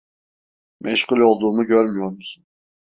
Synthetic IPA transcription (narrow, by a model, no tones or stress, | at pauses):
mʔɛʃhulʲo̞lˠd̪uːmuɟøɾmyjo̞ɾmusun